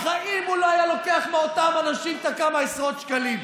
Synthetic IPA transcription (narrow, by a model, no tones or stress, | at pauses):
χaʔimuloajalo̞keaχmeotamanaʃimt̪akamaesʁo̞t̪ʃkalim